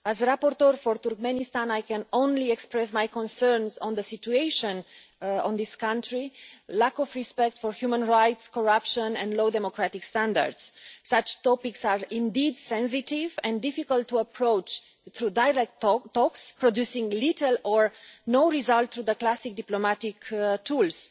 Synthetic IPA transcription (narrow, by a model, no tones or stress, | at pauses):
azɾapɔɾt̪əɹfɔɾt̪uɾk̚mɛ̃nist̪ãnajkɛ̃nõnliɛkspɹɛs̬majkɔ̃nsɛɹnzɔ̃nðəsit͡ʃueɪʃɔ̃n | ɔ̰̃nd̪iskãntɹilakɔvɹispɛk̚t̪fɔɹhjumə̃nɹajtskɔɹapʃə̃nɛ̃nd̪lod̪ɛmokɾat̪ikst̪ãnd̪a̰ɹd̪ssat͡ʃt̪ɔpiksaɹĩnd̪id̪sɛ̃ns̬itivɛ̃ndifikəlttːuəpʰɹoʊt͡ʃ | θɾudajɹɛk̚ttɔkspɹodjusĩŋlitəlɔɹnoʊɹizalt̪θɾuðəklasik̚d̪iplomatiktʰuls